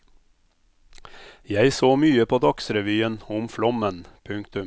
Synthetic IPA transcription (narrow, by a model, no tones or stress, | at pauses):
jæɪsoːmyːəpʰoːd̪ɑksɾɛʋyːənʊmflɔmənpʰʉŋkt̪ʉm